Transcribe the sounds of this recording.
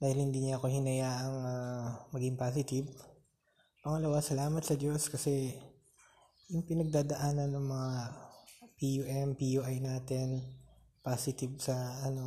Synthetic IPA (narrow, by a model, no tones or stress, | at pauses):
d̪aːhɪlhɪnd̪iːɲaʔɐkohɪnɐjaːʔɐŋamɐɡɪŋpaːsɪt̪ɪv | pɐŋɐlɐwasɐlaːmɐt̪sɐd̪jo̞skɐsɛ | jʊŋpɪnɐɡ̚d̪aːd̪ɐʔaːnɐnːɐŋmɐŋa | pijuʔɛmpijuːʔajnaːt̪ɛn | paːsɪt̪ɪvsɐɐno̞